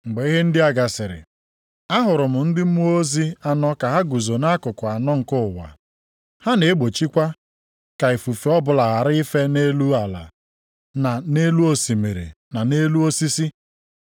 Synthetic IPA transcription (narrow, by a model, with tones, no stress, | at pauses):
ŋ͡m̩˨ɡ͡be˨i˦ɦe˦n̩˦dɪ˦a˦ɡa˨sɪ˨ɾɪ̰˨ | a˦ɦʊ˨ɾʊ˨mʊ˨n̩˦dɪ˦m̩˦mu˦o˦zi˦a˨nɔ˦ka˨ɦa˦ɡu˨zo˨na˦kʊ˨kʊ˨a˨nɔ˦ŋ̩˨kʊ˦ʊ˨wa̰˨ | ha˦ne˨˦ɡ͡bo˨t͡ʃi˦kʷa˦ | ka˨e˨fu˨fe˨ɔ˦bʊ˨la˨ɣa˨ɾɪ˦i˦fe˦ne˦lu˦a˨la̰˨ | na˨ne˦lu˦o˦si˨me˨ɾḛ˨ | na˨ne˦lu˦o˦si˦si˦